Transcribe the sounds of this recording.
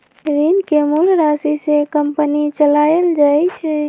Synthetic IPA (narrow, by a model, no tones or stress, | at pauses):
ɾinkemulɾasisekəmpənit͡ʃəlajeld͡ʒajt͡ʃʰɛ